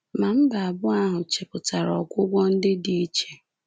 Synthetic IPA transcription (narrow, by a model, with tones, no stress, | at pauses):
ma˨m̩˦ba˨a˨bʊ˦a˦ɦʊ˨t͡ʃe˨pʊ˨ta˨ɾɔ˨kʷʊ˦ɡʷɔ˦n̩˦dɪ˦di˦t͡ʃe˨